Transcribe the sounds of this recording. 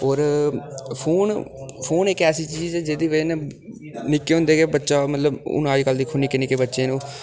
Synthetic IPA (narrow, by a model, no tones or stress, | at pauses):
ɔːɾ | pʰoːnpʰoːnɪkɛːsiːt͡ʃiːd͡ʒɛːd͡ʒeːd̪iːbənː | nɪkːeːɦʊ̃nd̪eːɡeːbətːʃaːmət̪ləbʊ̰ñəːd͡ʒkəld̪iːkʰʊniːkenɪkeːbətːʃeːnũː